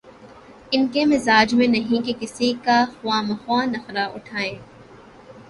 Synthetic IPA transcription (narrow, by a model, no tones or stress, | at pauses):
ɪnkemɪzaːd͡ʒmẽnɐɦĩkekɪsikaxʊwaːmɐxwaːnɐxɾaʔʊ̰ʈʰaːẽː